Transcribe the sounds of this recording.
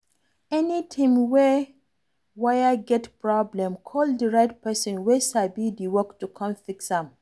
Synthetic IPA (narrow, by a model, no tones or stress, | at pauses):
ɛnitʰĩmwɛ | wajaɡɛtpʰɹɔblɛ̃mkʰɔldəɹaɪt̚pɛsɔ̃nwɛsabidiwɔktukʰɔ̃mfiksãm